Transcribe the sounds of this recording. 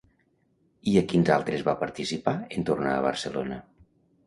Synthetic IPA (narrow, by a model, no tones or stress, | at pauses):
iəkinzalˠt̪ɾezβapəɾt̪isipaent̪ornaːβ̞ə̰ɾsəlo̰nə